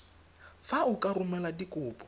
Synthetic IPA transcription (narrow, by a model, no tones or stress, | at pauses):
faukʼarumɛladikʼʊːpʼɔ